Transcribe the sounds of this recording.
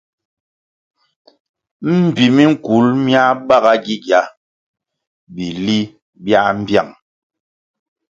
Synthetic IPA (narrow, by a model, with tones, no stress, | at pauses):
m̩˦˨bi˨mi˦ŋ̩˦˨ku˨˦lmja˦ɓa˦ɣa˦ɡi˦ɡja˦ | bi˨li˦ | bja˦ʔm̩˦bja˦˨ŋ